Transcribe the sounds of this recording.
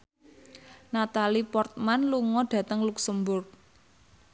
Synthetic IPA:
nat̪alipɔrt̪̚manluŋɔɖ̥ä̤t̪əŋluksəmbʊrk̚

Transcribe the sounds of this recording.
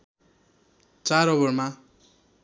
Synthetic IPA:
t͡saɾʌβʌrma

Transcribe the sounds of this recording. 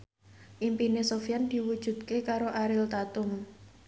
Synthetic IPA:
ʔimpinesofjand̪̥i̤wud̥ʒ̥ṳt̪kekaɾoʔaɾɪlt̪at̪ʊm

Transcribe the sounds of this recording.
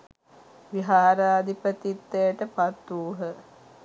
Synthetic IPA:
ʋiɦaːɾaːd̪ʱipət̪it̪ːejəʈəpat̪ːuːɦə

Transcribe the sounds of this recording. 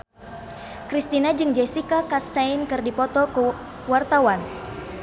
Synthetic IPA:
kɾist̪inad͡ʒɨŋd͡ʒesikakast̪ainkɨrdipɔt̪ɔkə | wart̪awan

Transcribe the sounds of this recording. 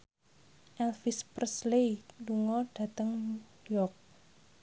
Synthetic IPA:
ʔɛlfisprsleluŋɔɖ̥ä̤t̪əŋ | jɔk̚

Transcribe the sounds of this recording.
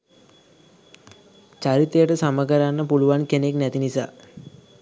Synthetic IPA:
t͡ʃaɾit̪əjəʈəsaməɡəɾanːəpuluʋankeneknæt̪inisa̰ː

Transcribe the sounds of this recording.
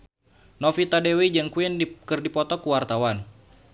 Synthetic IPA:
nɔfit̪adewid͡ʒəŋkuindikɨrdipɔt̪ɔkuwart̪awan

